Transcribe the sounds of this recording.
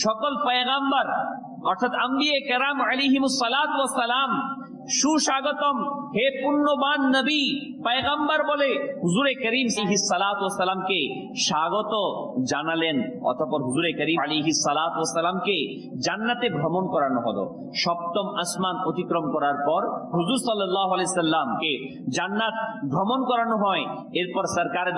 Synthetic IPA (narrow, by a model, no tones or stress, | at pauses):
ʃɔkolpəeɣambaɾ | ɔɾt̪ʰat̪ɐmb̪ijekɐɾamalejɦimusːɐlaːt̪uwɐsːɐlam | ʃuʃaɡot̪omhepunːobannəbi | pɐeɣambaɾboleɦuzuɾekɐɾimsɦisːɐlaːt̪uɐsːɐlamke | ʃaɡot̪od͡ʑanalenɔ̰t̪ʰopɔɾɦuzuɾekəɾialejɦisːɐlat̪uɐsːəlamke | d͡ʑanːat̪ebʱɾomonkɔɾanoɦɔd̪o̰ | ʃɔb̚t̪omɐsmanot̪ikɾomkɔɾaɾpɔɾɦuzuɾsɔlːɐlːaɦoalejsɐlːamke | d͡ʑanːat̪̚bʱɾomonkɔɾanoɦɔe | eɾpɔɾsəɾkaɾe